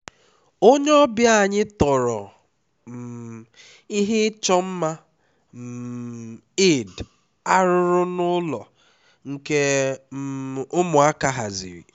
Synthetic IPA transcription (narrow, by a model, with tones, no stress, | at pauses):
o˦ɲ˦ɔ˦bja˨ɲɪ˦tɔ˨ɾɔ˨ | m̩˨ | i˦ɦe˦t͡ʃɔ˦m̩˦ma˦ | m̩˨ | e˦˨d | a˦ɾʊ˦ɾʊ˦nʊ˦lɔ˨ | ŋ̩˨ke˦ | ʊ˦mʊ˨a˦ka˦ɦa˨zḭ˨ɾḭ˨